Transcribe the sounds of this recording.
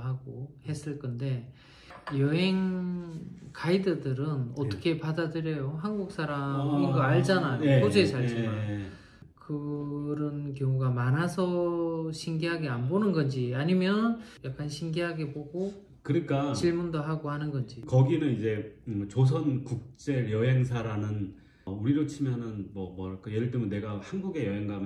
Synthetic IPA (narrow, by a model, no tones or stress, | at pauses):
ɦaɡohe̞s͈ɯɭk͈ʌnde̞ | jʌɦe̞ŋ | kʰaidɯdɯɾɯnʌt͈ʌkʰe̞padadɯɾjʌjoɦanɡuk̚s͈aɾamiŋɡʌaɭd͡ʑanajokod͡ʑoesʰaɭimajo | kɯɾʌnk̬jʌŋuɡamanasʰʌɕʰimɡiɦaɡeanbonɯnɡʌnd͡ʑiaɲimjʌnjak͈̚anɕʰiŋɡiɦaɡe̞boɡo | kɯɾik͈at͡ɕiɭmundoɦaɡohanɯnɡʌnd͡ʑikʌɡinɯnid͡ʑe̞t͡ɕos̬ʰʌnkuk̚t͡ɕ͈eɾjʌɦe̞ŋs̬ʰaɾanɯn | uɾiɾot͡ɕʰimjʌnɯnmwʌmʌɭk͈ajedɯɭt͈emnːe̞ɡahanɡuɡe̞jʌɦeŋɡam